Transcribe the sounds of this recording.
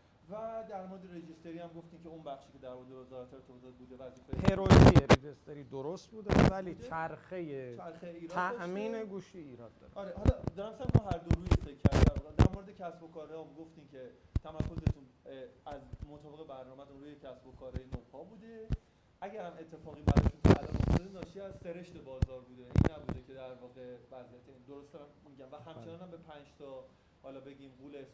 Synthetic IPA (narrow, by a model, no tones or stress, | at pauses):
væd̪æɾmoɾed̪eɾed͡ʒist̪eɾihæmɡoft̪imcʰeunbæxʃiːcʰe̞d̪æɾmoɾed̪eezɒːlæt̪ʰeɾt̪ʰozɒd̪̚buːd̪evæd͡ʒifeheɾojijeɾed͡ʒest̪eɾiːd̪oɾost̪̚buːd̪æ̰vælit͡ʃʰæɾxejet͡ʃæɾxejeiːɾtʰæʔmiːne̞ɡuːʃiiːɾɒd̪̚d̪ːɒ̰ːɾ̰ɒɾehɒlɒd̪ɒːɾæmsæɾmɔnɦæɾd̪oɾuːjefeːæt̪æɾbud̪æmd̪æ̰ɾmoɾed̪ecʰæsbokɒːɾɒmɡoft̪incʰet̪ʰæmæɾkʰo̞zet̪ʰunæzmot̪ʰɒːbe̞ɣe̞bæɾnɒːmæt̪ʰunɾuːjecʰæsbokʰɒːɾejenobhɒːbuːd̪e̞ | ʔæɟæɾhæme̞t̪ʰːe̞fɒːɣiːbæɾɒ̰jeʃunt̪ʰeæ̰lɒ̰ːno̰ft̪ɒd̪enɒːʃiːæzseɾeʃt̪e̞bɒːzɒːɾbuːd̪eʔḭnːæbuːd̪ecʰe̞d̪æɾvɒːɣe̞væzijæt̪ʰeind̪oɾost̪æɾæmmiɟæmvæhæmʰenɒːnæmbe̞pʰænd͡ʒt̪ʰɒ | hɒlɒːbe̞ɟiːmɡuːles